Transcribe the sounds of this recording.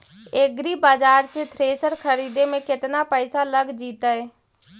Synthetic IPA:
eɡɾiːbaːd͡ʒaːɾt͡ʃet̪ʰɾeːsəɾkʰəɾiːd̪eːmẽːkɪt̪naːpəɪsaːləɡd͡ʒiːt̪aːeː

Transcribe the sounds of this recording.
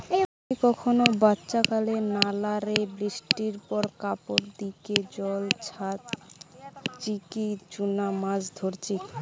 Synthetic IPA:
eamikɔkʰonobatːɕakalenalaɾebɾisʈiɾpɔɾkapoɾd̪iked͡ʑɔlt͡ɕʰat̪ | t͡ɕikid͡ʑunamad͡ʑd̪ʱoɾt͡ɕʰi

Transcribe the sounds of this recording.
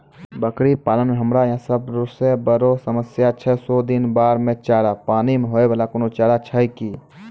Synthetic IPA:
bəkɾipaːlənmeɦəmɾajãsəbɾosebəɾosəməsjat͡ʃʰɛsod̪inbaːɾmẽt͡ʃaɾapaːnimeɦoebʱəlakonot͡ʃaɾat͡ʃʰəjki

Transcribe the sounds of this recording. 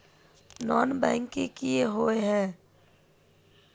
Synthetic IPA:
nɔːnbɛ̃ːŋkĩkieɦoeɦɛ̃ː

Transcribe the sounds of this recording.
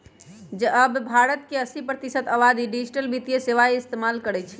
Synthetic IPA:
d͡ʒeʔəbbʱaɾət̪keəsipɾət̪isət̪əβad̪iɖid͡ʒiʈəlbit̪ijeseʋaist̪emalkəɾɛt͡ʃʰi̥

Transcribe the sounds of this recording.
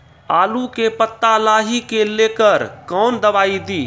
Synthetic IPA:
aːlukepət̪ːalaːɦikeleːkəɾkɔːnd̪əbaːid̪iː

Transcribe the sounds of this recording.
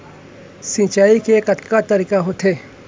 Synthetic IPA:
sĩːt͡ʃaːikekɐt̪kat̪ɐɾiːkaɦot̪ʰeː

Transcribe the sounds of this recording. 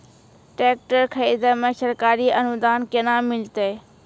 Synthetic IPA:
ʈeːk̚ʈəɾkʰəiːd̪əmẽːsəɾkaːɾiːʔənʊd̪aːnkenaːmɪlt̪eː

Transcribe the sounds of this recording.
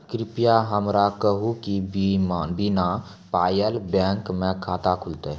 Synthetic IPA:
kɾɪpijaɦəmɾakəɦukibimabina | paːjəlbɛ̃ːŋkmẽkʰaːt̪akʰʊlt̪e

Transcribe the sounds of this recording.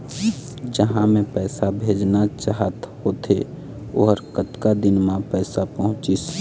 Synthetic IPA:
d͡ʒəɦãmẽpɛːsabʱeːd͡ʒnat͡ʃaɦət̪hoːt̪ʰe | o̰ɦəɾkət̪kad̪ɪnmãpɛːsapəɦʊ̃t͡ʃis

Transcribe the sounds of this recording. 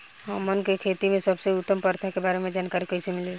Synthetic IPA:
ɦəmənkekʰet̪imẽsəbseʊt̪ːəmpəɾt̪ʰakebaɾemẽd͡ʒaːnkaːɾikəisemile

